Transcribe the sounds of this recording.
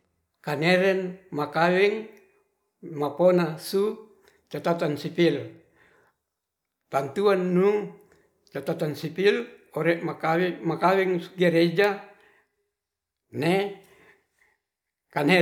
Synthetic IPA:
kaneɾɛnmakawɛŋ | maponasu | t͡ʃat̪at̪ansipil | t̪ant̪uanːuŋ | t͡ʃat̪at̪ansipiloɾeʔmakawmakawɛŋɡeɾed͡ʒa | ne | kane

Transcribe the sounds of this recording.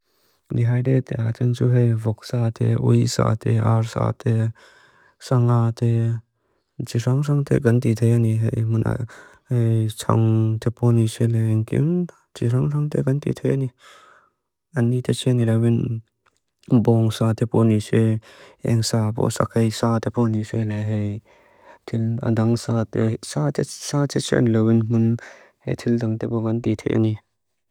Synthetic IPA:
diɦajdet̪ɛat͡ʃant͡suɦejvɔksat̪ʰɛʔṵjsa̰ːt̪ʰɛʔaɾsa̰ːt̪ɛ | saŋat̪ɛ | t͡ʃisaŋsʰaŋt̪ʰɛ̰kɐnt̪it̪ʰejaniɦejmunʔa̰hejt͡sʰa̰ŋt̪ʰɛpɔnisɛlɛŋkḭm | t͡ʃiɾaŋsʰaŋt̪ɛkɐnt̪ḭt̪ʰejʔani | ʔanːit̪ʰɛt͡ʃʰɛnilawin | bɔŋsat̪ʰɛpɔnisɛʔɛ̰ŋsaːpɔ̰sa̰khejsat̪ʰɛpʰɔnisɛlɛɦej | t̪ʰila̰daŋsaːt̪saɛsaːtʰɛsɛ̰nlawinmʊn | hḛt̪ʰildaŋt̪ɛpɔkant̪it̪ʰḛjʔa̰ni

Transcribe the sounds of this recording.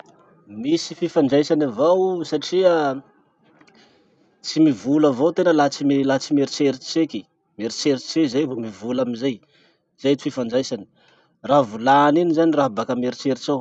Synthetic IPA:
misififanɖ͡ʐajsanavowsaʈ͡ʂiə | t͡simivulavot̪enəlat͡simelat͡simeɾit͡seɾit͡seki | meɾit͡seɾit͡sezajɦomivulaminzaj | z̥ajt͡s̪i̥fifanɖ͡ʐajsani̥ | ravulaninizaniraɦbakameɾit͡seɾit͡ʃaw

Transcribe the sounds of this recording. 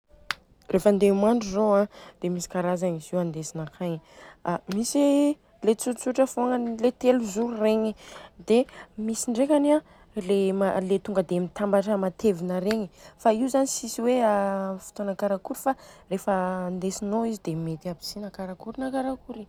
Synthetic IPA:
refənd̪emaɳɖ͡ʐuzoãd̪̥emisi̥kaɾazaniziwand̪esinakʰaɲamisi | let͡suʈ͡ʂt͡suʈ͡ʂəfoŋanlet̪eluzureɲid̪emisiɳɖ͡ʐekania | lemalet̪uŋɡəd̪emit̪ambaʈ͡ʂəmat̪ʰevinəɾeɲifaiwzanisisiweafi̥t̪onakaɾakuɾifarefəand̪esinoizid̪emet̪iabi̥sinakaɾakuɾinakaɾakuɾi

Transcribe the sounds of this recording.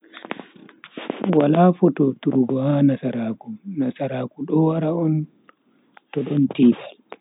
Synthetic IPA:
walaːfɔtɔtuɾuɡɔhanasaɾaːkunasaɾaːkuɗɔwaɾaɔn | tɔɗɔntiːbal

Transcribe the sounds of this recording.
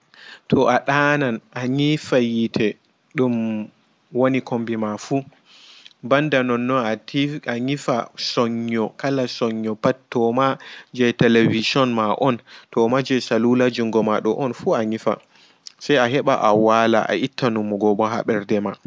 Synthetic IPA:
tʰɔʔaɗananʔaɲifajitʰɛ | ɗum | wonikʰombimafu | bandanɔnːɔnatiaɲifa̰sɔɲːɔkalasɔɲːɔpattːɔmad͡ʒɛtɛlevid͡ʒiɔnmaʔɔntɔmad͡ʒɛsalulad͡ʒuŋɡɔmaɗɔʔɔnfuaɲifa̰ | sajaɦɛɓa̰ʔawala̰ʔa̰ʔitːanumːɔɡɔɓɔɦa̰ɓɛɾdɛma

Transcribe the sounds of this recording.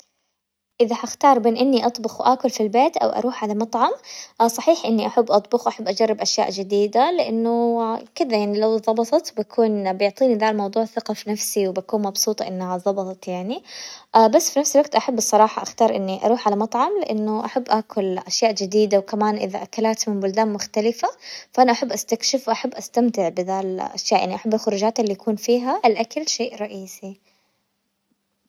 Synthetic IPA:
ʔɪðaħaxt̪ɑːɾˤbeːnʔɪnːiʔɑt̪ˤbʊxwʔaːkʊlfilbeːt̪ʔa̰wʔɑ̰ɾuːħʕalamɑt̪ˤʕɑmsˤɑħiːħʔɪnːiʔaħabːʔɑt̪ˤbʊxwʔaħabːʔad͡ʒarːɪbʔaʃja̰ːʔd͡ʒɪd̪iːd̪alɪʔɪnːʊkɪd̪ajaʕnilawðˤɑbɑt̪ˤɑt̪bakʰuːnbjʊʕt̪ˤiːnid̪aːlmɑwd̪ˤuːʕθɪqɑfinafsiwbakuːnmɑbsˤuːt̪ˤɑʔɪnːhaðˤɑbɑt̪ˤɑt̪jaʕniʔbasːfinafsalwaɡt̪ʔaħabːɨsˤːɑɾˤɑːħɑʔaxt̪ɑːɾˤʔɪnːiʔɑ̰ɾuːħʕalamɑt̪ˤʕɑmlɪʔanːʊʔaħabːʔaːkʊlʔaʃjaːʔd͡ʒɪd̪iːd̪awkamaːnʔɪ̰ða̰ʔakalaːt̪mɪnbʊld̪aːnmʊxt̪alɪfafaʔanaʔaħabːʔast̪akʃɪfwʔaħabːʔast̪amt̪ɪʕbɪðaːlʔa̰ʃjaːʔjaʕniʔaħabːalxʊɾuːd͡ʒaːt̪lːiʔakʰuːnfiːɦaʔalʔakalʃeːʔɾˤɑʔiːsi

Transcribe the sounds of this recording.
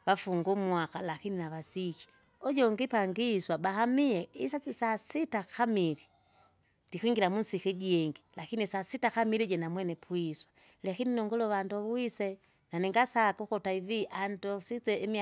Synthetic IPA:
βafuŋɡumwakalakininaβasiki̥ | ɔɟɔŋɡipaŋɡiːswabaɦamiɛisat͡sisasitakʰamili | d̥ikiŋɡilamunsikiɟiɛŋɡilakinisasitakamiliɟɛnamwɛnɛpʰwiswa | lɛkininɔŋɡɔlɔβandɔβwisɛ | nanɛŋɡasakɔkɔtaiviʔandɔsit͡sɛimi

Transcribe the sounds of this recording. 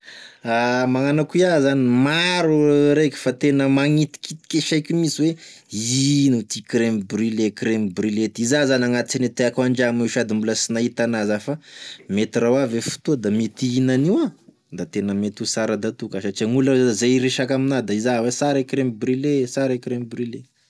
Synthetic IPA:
amaŋanakiazanimaɾuɾekʲi̥fat̪enəmaŋit̪i̥kit̪i̥keʃajkʲumisiweinut̪ikɾembrilekɾembrilet̪izazanaŋat̪it͡ʃanit̪eakuaɳd͡ʒamiʃad̪imbuləsinait̪anazafamet̪irawavefu̥t̪ud̪amit̪iinaniwa | d̪at̪enəmet̪usaɾad̪at̪ukaʃat͡ʃiaŋuləzaɾeʃakaminad̪aizawesaɾekɾembrilesaɾekɾemibrile

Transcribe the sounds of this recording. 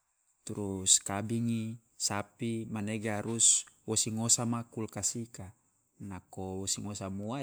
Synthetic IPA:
t̪uɾuskabiŋi | sapimaneɡaɾuswosiŋosamakulkasika | nakowosiŋosamua

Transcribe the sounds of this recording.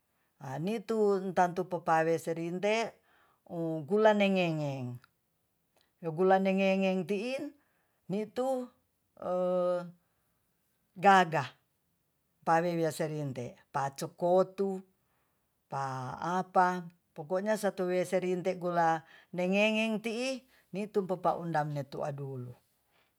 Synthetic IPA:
a̰nit̪unt̪ant̪upapaweseɾint̪e | uɡulaneŋeŋɛŋ | joɡulaneŋeŋɛŋt̪iːn | nit̪u | ɡaɡa | mpawewiaseɾint̪ɛʔpat͡ʃokot̪u | paːpa | pokoʔɲasat̪uwiaseɾint̪ɛɡulaneŋeŋɛŋt̪iʔː | nit̪umpapaʔundamnet̪ṵa̰dulu

